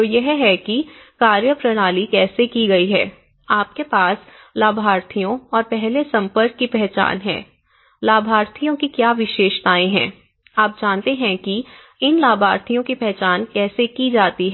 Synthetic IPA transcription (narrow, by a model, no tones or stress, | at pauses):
ojɛɦɦɛkikaːɾjəpɾɐɽ̃aːlikɛːsekiɡɐiɦɛː | aːp̚kepaːs | laːbʱaːɾt̪ʰijõɔːɾpɛɦlesɐ̃mpəɾkːipɛɦt͡ʃa̰ːnɦɛ̰̃ː | laːbʱaːɾt̪ʰijõkikjaːʋɪʃeːʃt̪aːẽɦɛ̃ː | aːp̚d͡ʒaːnt̪eɦɛ̃ki | ɪnlaːbʱaːɾt̪ʰijõkipɛɦt͡ʃaːnkɛːsekid͡ʒaːt̪iɦɛ